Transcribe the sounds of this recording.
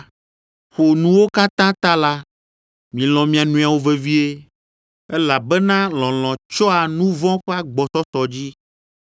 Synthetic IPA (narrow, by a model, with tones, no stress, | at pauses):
xo˨nũ˦wo˦ka˦t̪ã˦t̪ã˦la˦ | mĩ˨lɔ̃˨mĩ˨a˨nũ˨a˨wo˦ve˨vi˦e˦ | e˦la˨bɛ˦nã˦lɔ̃˨l̃ɔ̃˨t͡ʃɔ˦a˨nũ˦vɔ̃˦ɸɛ˦a˦ɡ͡bɔ˨t̪ɔ˦t̪ɔ˨d͡ʑi˦